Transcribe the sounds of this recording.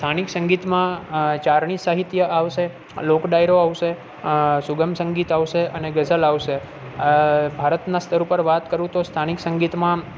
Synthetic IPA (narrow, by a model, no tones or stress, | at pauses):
st̪ʰaniksəŋɡit̪mãt͡ʃaɾɳ̃isaɦit̪jəʔaʋʃe | lokɖajɾoaʋʃe | suɡəmsə̃ŋɡit̪aʋʃeəneɡəzəlaʋʃe | bʱaɾət̪nast̪ʰəɾupəɾʋat̪kəɾũt̪ost̪ʰaniksəŋɡit̪mã